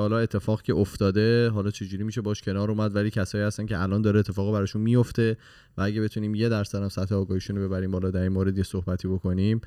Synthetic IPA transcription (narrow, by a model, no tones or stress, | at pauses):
hɒːlɒːe̞t̪ʰːe̞fɒːɣcʰe̞ʔoft̪ɒːd̪e̞ɦɒːlɒːt͡ʃʰe̞d͡ʒuːɾiːmiːʃe̞bɒʃcʰe̞nɒːɾuːmæd̪væliːcʰæsɒːiːhæst̪æncʰeʔælʔɒːnd̪ɒːɾeːt̪ʰːefɒːɣibæɾɒːʃunmijo̞ft̪e̞ | vææɟæbe̞t̪ʰuniːmje̞d̪æɾsæd̪æmsæt̪heɒːɡɒːhiːʃunobe̞bæɾiːmbɒlɒːd̪æɾinmoːɾe̞d̪jesohbæt̪ʰiːbo̞kʰo̞niːm